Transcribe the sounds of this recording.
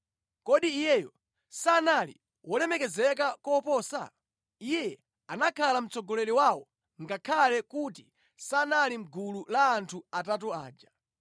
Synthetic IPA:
kɔɗiːjɛjɔ | sanalḭ | wɔlɛmɛkɛzɛk̬akɔpɔːsa̰ | ijɛ | anakʰalam̩t͡sɔɡɔlɛliwawɔ | ŋɡakʰalɛkuti | sanalim̩ɡululaːntʰuatatɔa̰ːd͡ʒa

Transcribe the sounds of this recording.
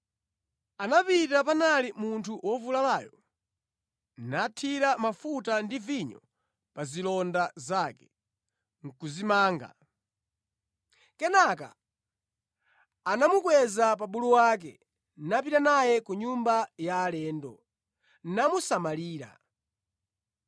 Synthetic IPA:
anapitapanalimuntʰuwʔɔvulalaːjɔ | natʰiɾamafutandiviɲɔ | pazilɔndazakɛ̥ | ŋ̩kuzimaːŋɡa̰ | kɛnaka̰ | namukwɛzapaɓuluwak̬ɛ̰ | nap̬itanajɛkuɲumbajaːlɛːndɔ̰ | nnamusamaliːɾa̰

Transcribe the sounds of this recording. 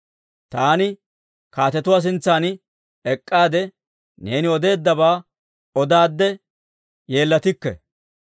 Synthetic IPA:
t̪aːnɪ | kaːt̪ɛt̪ʊwaːs̬ɪnt͡sːaːn | ɛkʼːaːd̪ɛ | ne̞ːnɪɔd̪e̞ːd̪ːɐβaː | ɔd̪aːd̪ːɛ | je̞ːlːɐt̪ɪkːɛ̰

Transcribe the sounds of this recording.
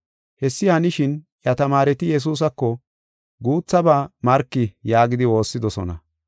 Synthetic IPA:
hɛsːɪhɐnɪʃɪn | jɐt̪ɐmaːɾɛt̪ɪjɛs̬uːs̬ɐkːɔ | ɡuːt͡sːɐbaːmɐɾkːɪjaːɡɪd̪ɪwo̞ːsːɪd̪ɔsɔ̰nɐ̰

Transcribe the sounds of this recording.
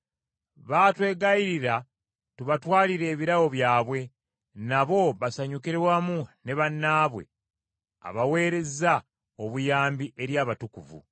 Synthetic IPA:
βaːtwe̞ːɡaiɾiɾa | tuβatwaːliɾe̞ːβiɾawo̞βjaːβwe̞ | naβo̞βasaɲukiɾewamune̞βanːaːβwe̞̰ | a̰βawe̞ːɾe̞za | oβujaːmbiʔe̞ɾjaːβatukuvṵ

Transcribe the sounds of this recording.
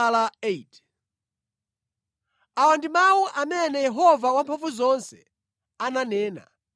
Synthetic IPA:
laet | awandimawuʔamɛnɛjɛɦɔvawampʰɔfuzɔnsɛ̰ | ananɛːna̰

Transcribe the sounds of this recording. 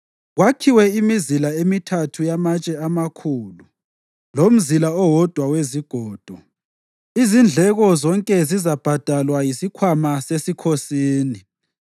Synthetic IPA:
ɣwakʰiwɛimizilaemitʰatʰujamat͡ʃʼɛamakʰuːlu | lom̩zilaɔwɔd̥ʱwaweziɡ̥ʱɔːd̥ʱɔ | izind͡ɮʱɛɣɔzɔŋkʼɛzizab̥ʱad̥ʱalwajisikʰwamasesikʰosiːni

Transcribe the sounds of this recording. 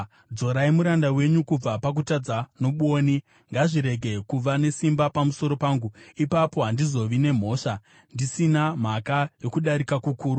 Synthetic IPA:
d͡zo̞ɾaimuɾandawe̞ɲukub͡vapak̬utad͡zano̞ɓuoːni | ŋɡaʐiɾe̞ɡʱe̞kuʋane̞simbapamuso̞ɾo̞paːŋɡuipapo̞ɦandizo̞ʋine̞m̤o̞ːʂa | ndisinam̤akajo̞kuɗaɾikakukuːɾu

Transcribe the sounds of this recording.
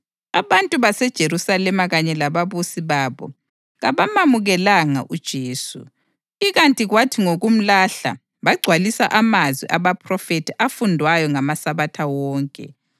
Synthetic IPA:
aβantʼuβasɛd̥ʒ̥ʱeɾusalɛmaɣaɲɛlaβaβusiβaːβɔ̰ | ɣaβamamuɣɛlaŋa̰ʔud̥ʒ̥ʱeːsṵ | iɣantʼiɣwatʰiŋoɣum̩laɬa̰ | βaɡ͡ǀʱwalisaʔamazwḭʔaβapʰrɔfetʰiʔafundʱwajɔŋamasaβatʰawɔːŋkʼɛ̰

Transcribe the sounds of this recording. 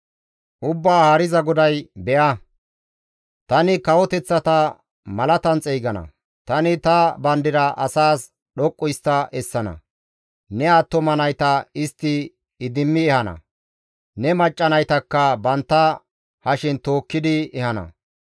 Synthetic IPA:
ʔʊbːaːhaːɾɪzɐɡɔd̪ɐjbɛʔɐ | t̪ɐnɪkɐwɔt̪ɛt͡sːɐt̪ɐ | mɐlɐt̪ɐnt͡sʼɛjɡɐnɐ̰ | t̪ɐnɪt̪ɐbɐnd̪ɪɾɐʔɐsaːs | ɗɔkʼːʊjst̪ːɐʔɛsːɐnɐ̰ | nɛaːt̪ːɔmɐnɐjt̪ɐɪst̪ːɪ | ɪd̪ɪmːɪɛhɐnɐ̰ | nɛmɐt͡ʃʼːɐnɐjt̪ɐkːɐbɐnt̪ːɐ | hɐʃɪnt̪o̞ːkːɪd̪ɪɛhɐnɐ̰

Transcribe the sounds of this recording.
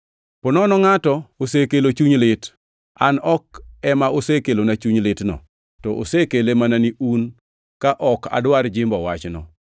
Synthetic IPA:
pɔnɔnɔŋatɔosekelot͡ʃuɲlɪt | anɔk̚ɛmaosekelonat͡ʃuɲlɪtnɔ̰ | tɔʔo̰sekelemananiun | kaʔɔka̰dwaɾd͡ʒɪmbɔwat͡ʃnɔ̰

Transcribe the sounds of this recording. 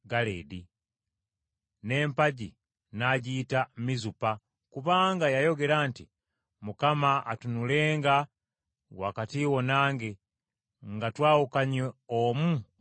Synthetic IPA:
ɡalḛdi | ne̞ːmpaɟi | naɟiːtamizupa | kuβaːŋɡajajo̞ɡe̞ɾaːnti | mukamaːtunule̞ːŋɡa | wakatiwo̞naːŋɡe | ŋɡatwaːwukaɲeomu

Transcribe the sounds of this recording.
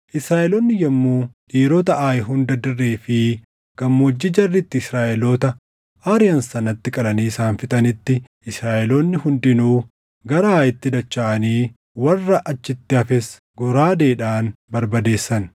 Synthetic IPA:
ʔɪsɾaːʔɛlɔnːɪjɐmːuːᶑiːɾoːt̪ɐʔaːjɪɦʊnd̪ɐd̪ɪrːe̞ːfɪ | ɡ̥ɐmːoːd͡ʒːɪd͡ʒɐrːɪt̪ːɪɪsɾaːʔɛloːt̪ɐ | aːɾɪjɐnsɐnɐt̪ːɪkʼɐlɐniːsaːnfɪt̪ʼɐnɪt̪ːɪʔɪsɾaːʔɛlonːɪhʊnd̪ɪnuː | ɡɐɾɐaːjɪt̪ːɪd̪ɐt͡ʃːaːʔɐniː | wɐrːɐʔɐt͡ʃːɪt̪ːɪɐfɛs | ɡʊɾaːd̪e̞ːᶑaːnbɐɾbɐd̪e̞ːsːɐn

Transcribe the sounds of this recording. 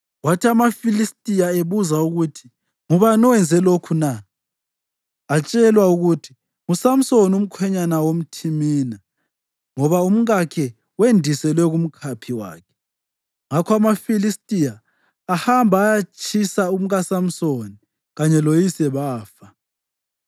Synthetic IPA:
watʰiamafilistʼijaeβuzauɣutʰi̥ | ŋuβanɔwɛnd͡zʱɛlokʰuna | at͡ʃʼɛlwauɣutʰi̥ | usam̩sonum̩kʰwɛɲanawom̩tʰimiːna | ŋɔβaum̩ɣakʰɛ | wendʱisɛlwɛɣum̩kʰapʰiwa̰ːkʰɛ̥ | ŋakʰɔamafilistʼijaː | hambʱaːjat͡ʃʰʼisaum̩ɣasam̩soni | ɣaɲɛlojisɛβaːfa

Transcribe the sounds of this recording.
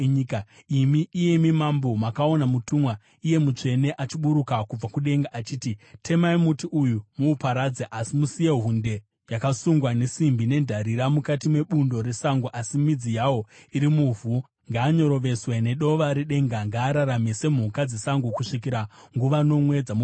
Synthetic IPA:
ka | imiʔije̞mimambo̞makao̞namutumwa | ije̞mut͡ʂe̞ne̞ʔat͡ʃiɓuɾukakub͡vakuɗe̞ŋɡaʔat͡ʃiːtitʰe̞maimutiʔujumuːpaɾad͡zeʔasimusije̞ɦunde̞ | jakasuŋɡwane̞simbine̞ndʱaɾiɾamukatimwe̞ɓundo̞ɾe̞saŋɡuʔasimid͡zijawo̞iɾimuvu | ŋɡaːɲo̞ɾo̞ʋe̞swe̞ne̞ɗo̞ʋaɾiɗe̞ŋɡaŋɡaːɾaɾamese̞m̤ukad͡ze̞saŋɡukuʂik̬iɾa | ŋɡuʋano̞mwe̞d͡zamu

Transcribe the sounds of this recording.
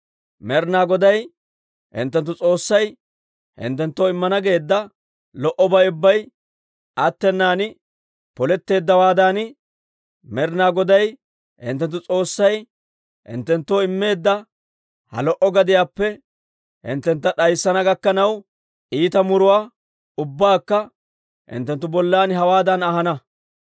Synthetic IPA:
mɛɾnaːɡɔd̪ɐj | hɪ̰nt̪ːɛnt̪ːʊt͡sʼo̞ːsːɐj | hɪ̰nt̪ːɛnt̪ːoːɪmːɐnɐɡe̞ːd̪ːɐ | lɔʔɔbɐjʊbːɐj | ɐt̪ːɛnːaːnɪ | pɔlɛt̪ːe̞ːd̪ːɐwaːd̪aːnɪ | mɛɾnaːɡɔd̪ɐj | hɪ̰nt̪ːɛnt̪ːʊt͡sʼo̞ːsːɐj | hɪ̰nt̪ːɛnt̪ːoːɪmːe̞ːd̪ːɐ | hɐ̰lɔʔɔɡɐd̪ɪjaːpːɛ | hɪ̰nt̪ːɛnt̪ːɐɗɐjsːɐnɐɡɐkːɐnɐw | ʔiːt̪ɐmʊɾʊwaː | ʊbːaːkːɐ | hɪ̰nt̪ːɛnt̪ːʊbɔlːaːnɦɐwaːd̪ɐnɐhɐnɐ

